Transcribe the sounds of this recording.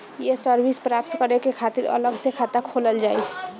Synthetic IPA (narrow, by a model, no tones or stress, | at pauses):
jesəɾbispɾaːpt̪kəɾekekʰaːt̪iɾə̰ləɡsekʰat̪akʰoləld͡ʒaːi